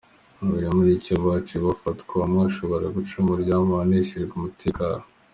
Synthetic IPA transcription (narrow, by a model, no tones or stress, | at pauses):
muβiɾemuɾicoβat͡ʃiβafatkaamŋaʃoβoɾaɡut͡ʃumuɾɟaːmaneʃiɾeɡumutʰika